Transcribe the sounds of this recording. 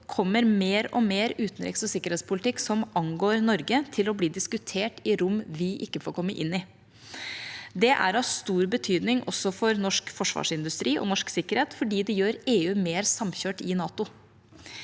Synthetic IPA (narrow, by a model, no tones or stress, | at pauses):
kʰɔmːəɾmeːɾɔ̰meːɾʉːt̪n̩ɾɛ̰ksɔsɪkːəɾeːt̪spʰʊlɪt̪ɪkːsɔmʔɑŋɡoːɾnɔɾɡət̪ʰɪlɔbliːd̪ɪskʉt̪ʰeːʈɪɾʊmʋɪʔɪ̰kːəfoːɾkʰɔmːəʔɪnːɪ | d̪ɛʔæ̰ɾɑʋst̪uːɾbət̪ʰyːd̪nɪŋʔɔsːɔfɔɾnɔʂkfɔʂʋɑ̰ːʂɪnd̪ʉst̪ɾiːʔɔ̰nɔʂksɪkːəɾheːt̪fɔɖiːd̪ɛjøːɾeːʉːmeːɾsɑmçøːʈɪnɑːt̪ʊ